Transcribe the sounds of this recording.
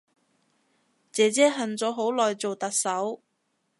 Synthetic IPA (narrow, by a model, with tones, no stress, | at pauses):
t͡sɛː˨˧t͡sɛː˥ɦɐ˨˩nt͡sɔː˨˧˥ɦo˨˥wlɔː˨jt͡so˨wt̪ɐ˨k̚sɐ˨˥w